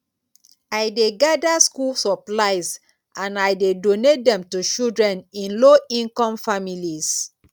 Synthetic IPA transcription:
ajdeɡadaskulsɔplaɪs | ãnajdedonet̚dɛ̃mtut͡ʃildɹɛ̃nĩnloĩnkɔ̃mfamilis

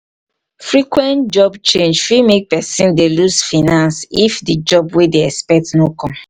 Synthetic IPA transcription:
fɹikwɛ̃ntd͡ʒɔbt͡ʃẽnd͡ʒfimek̚pɛsĩndeluzfinãnsifdid͡ʒɔbwedeɛspɛk̚tnokɔ̃m

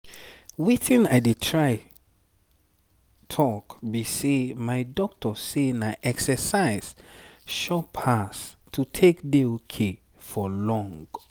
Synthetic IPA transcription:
witĩnajdetʰɹaɪ | tʰɔkbisemaɪdɔk̚tʰɔsenaʔɛksəsaɪz̥ʃɔpʰas | tʰutʰekdeokʰe | fɔlɔ̃ŋɡ

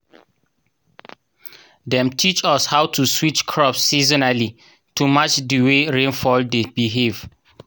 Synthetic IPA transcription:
dɛ̃mtʰit͡ʃɔshawtuswit͡ʃkʰɹɔpsːizɔnali | tumat͡ʃdiweɹẽnfɔldeb̥iɦev

